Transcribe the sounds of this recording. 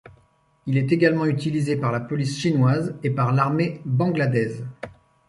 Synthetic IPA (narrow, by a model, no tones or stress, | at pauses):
ilɛt̪eɡalmɑ̃yt̪ilizepaʁlapɔlisʃinwazepaʁlaʁmebɑ̃ɡlad̪ɛz